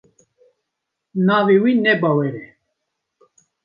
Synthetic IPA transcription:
naːviwinɛbawɛɾɛ

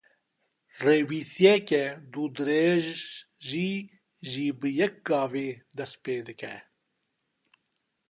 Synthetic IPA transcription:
reːwiːsijɛkɛd̪ud̪ɨɾeːʒ | ʒiː | ʒiːbɨjɛk̚ɡɑːveːd̪ɛst̪̚peːd̪ɨkɛ

